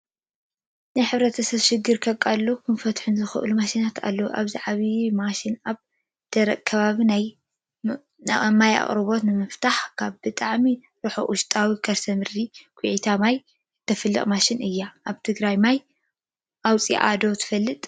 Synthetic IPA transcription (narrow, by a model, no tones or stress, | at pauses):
najħɨβɾɐt̪ʰɐsɐβʃɪɡːɨɾkʰɐkʼalːukʰɨnfɐt̪ħunzɨxɨ̰ʔɨlumaʃinat̪ʰa̰lːɐwuʔa̰βziʕaβimaʃɪnaβ | d̪̥ɐɾɐkʼkʰɐβaβinaj | maja̰χʼɾɨβo̞t̪nɨmɨft̪ʰaħkʰaβbɨt̪ʼaʕmi | ɾuħo̰ʔʊʃt̪ʼawikʰɐɾsɐmɨɾd̪ikʰʼʊʕit̪ʰamaj | t̪ʰɐfɨlːɐ̰χʼmaʃɪnɨjːaʔaβt̪ʰɨɡɾajmaj | ʔawt͡sʼḭʔa̰d̪o̞t̪ʰɨ̥fɐlːɨt̪ʼ